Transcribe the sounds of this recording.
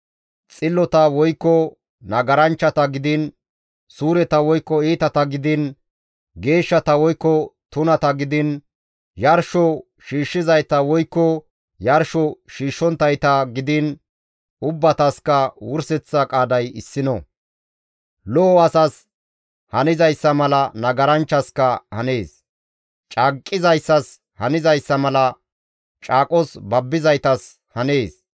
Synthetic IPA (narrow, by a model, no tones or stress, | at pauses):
t͡sʼɪlːɔt̪ɐwɔjkːɔ | nɐɡɐɾɐnt͡ʃːɐt̪ɐɡɪd̪ɪn | suːɾɛt̪ɐwɔjkːɔiːt̪ɐt̪ɐɡɪd̪ɪn | ɡe̞ːʃːɐt̪ɐwɔjkːɔt̪ʊnɐt̪ɐɡɪd̪ɪn | jɐɾʃɔ | ʃiːʃːɪzɐjt̪ɐwɔjkːɔ | jɐɾʃɔʃiːʃːɔnt̪ːɐjt̪ɐɡɪd̪ɪn | ʊbːɐt̪ɐskɐwʊɾsɛt͡sːɐkʼaːd̪ɐjɪsːɪnɔ | lɔːɐsɐs | hɐnɪzɐjsːɐmɐlɐnɐɡɐɾɐnt͡ʃːɐskɐhɐne̞ːs | t͡ʃʼakʼːɪzɐjsːɐs | hɐnɪzɐjsːɐmɐlɐ | t͡ʃʼaːkʼɔsbɐbːɪzɐjt̪ɐs | hɐne̞ːs